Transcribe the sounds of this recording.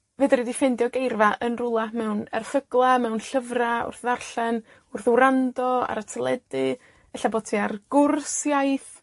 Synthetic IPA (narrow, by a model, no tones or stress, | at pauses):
vɨːdɾidifɛndjɔɡejrvaʔənrʊlˠamɛwnɛ̰rfəɡlˠamɛwnɬəvraʊ̰rθðarɬɛn | ʊrθwɾandɔa̰ɾatʰəlˠɛdɨ | əɬabotʰiarɡ̥ʊrsjajθ